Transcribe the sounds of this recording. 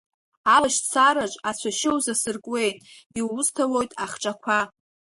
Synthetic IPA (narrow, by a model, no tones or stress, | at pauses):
alaʃt͡sʰaɾat͡ʃʷʼat͡ɕʷʰaʃɪwzasɨrkʼwe̞jtʼiwʊstʰawo̞jtʼaχʈ͡ʂʼakʷʰa